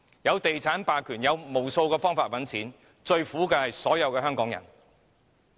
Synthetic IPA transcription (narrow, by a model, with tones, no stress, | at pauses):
jɐ˨˧wt̪e˨jt͡sʰaː˨˥npaː˨˩kʰyː˨˩njɐ˨˧wmo˨˩wso˧wkɛː˧fɔː˥ŋfaː˧t̚wɐ˨˥nt͡sʰiː˨˥n | t͡ʃɵ˧ɥfuː˨˥kɛː˧hɐ˨jsɔː˨˥jɐ˨˧wkɛː˧ɦœː˥ŋkɔː˨˥ŋjɐ̰˨˩n